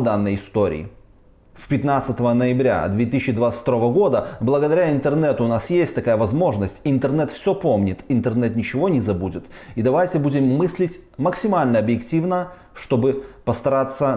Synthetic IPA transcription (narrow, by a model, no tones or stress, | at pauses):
d̪anːəjɪst̪o̞ɾʲɪ̰ː | spʲɪt̪nat̪sət̪əvənəjɪbɾʲa̰d̪vʲet̪ɨsɪɕːɪd̪vat̪sʲft̪ɐɾo̞vəɡo̞d̪əblˠəɡəd̪ɐɾʲaɪnt̪ɨrnɛt̪ʊːnasjesʲtʲt̪ɐkajəvɐzmo̞ʐnəsʲtʲɪnt̪ɨrnɛt̪fsʲɵpo̞mnʲɪt̪ɪnt̪ɨrnɛt̪nʲɪt͡ɕɪvo̞nʲɪzɐbudʲɪt̪id̪ɐvajtʲɪbudʲɪmːɨsʲlʲɪtʲ | məksʲɪmalʲnəɐbjɪktʲivnə | ʂt̪o̞bɨpəst̪ɐɾat̪sːə